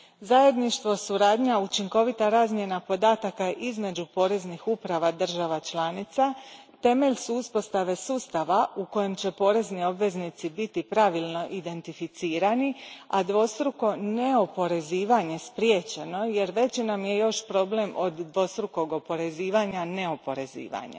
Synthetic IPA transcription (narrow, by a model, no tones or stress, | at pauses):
zaje̞d̪niʃt̪ʋo̞suɾaːd̪ɲaut͡ʃiŋko̞ʋit̪aɾaːzmje̞napo̞d̪aːt̪akaʔizme̞d͡ʑupo̞ːɾe̞znixupɾaʋad̪r̩ʒaʋat͡ʃlˠaːnit̪sa | t̪e̞me̞ʎsuuspo̞st̪aʋe̞suːst̪aʋauko̞je̞mt͡ɕe̞po̞ːɾe̞znio̞bʋe̞znit̪sibit̪ipɾaʋilˠno̞ʔid̪e̞nt̪ifit̪siːɾaniad̪ʋo̞st̪ɾuko̞ne̞o̞po̞ɾe̞ziːʋaɲe̞spɾjet͡ɕe̞no̞je̞ɾʋe̞t͡ʃinamje̞jo̞ʃpɾo̞ble̞mʔo̞d̪ːʋo̞st̪ɾuko̞ɡo̞po̞ɾe̞ziːʋaɲaneopo̞ɾe̞zḭːʋa̰ɲḛ